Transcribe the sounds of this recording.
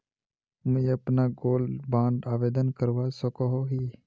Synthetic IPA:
mə̃jəpnaːɡoːlbãːɳɖaːʋeːd̪ənkəɾʋaːsokoɦoːɦiː

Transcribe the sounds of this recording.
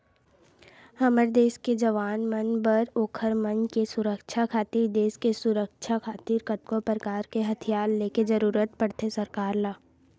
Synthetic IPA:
hɐməɾd̪eːsked͡ʒɐʋaːnmənbəɾoːkʰəɾmənkesʊɾəkʃʰakʰaːt̪iːɾd̪eːskesʊɾəkʃʰakʰaːt̪iːɾkət̪̚kopɾəkaːɾkeɦɐt̪ʰijaːlːeːked͡ʒəɾuːɾət̪̚pəɽt̪esəɾkaːɾlaː

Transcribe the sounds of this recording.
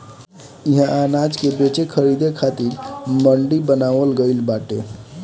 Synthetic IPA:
iɦãanad͡ʒkebet͡ʃekʰəɾid̪ekʰat̪iɾməɳɖibənaʋəlɡəlbaʈe

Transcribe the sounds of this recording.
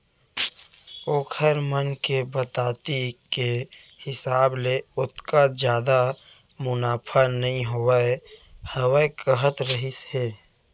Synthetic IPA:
oːkʰəɾmənkebət̪aːt̪ikehɪsaːbleʊt̪kad͡ʒjaːd̪a | mʊnaːpʰanəɦĩɦoəehəwəekəɦət̪ɾəɦisheː

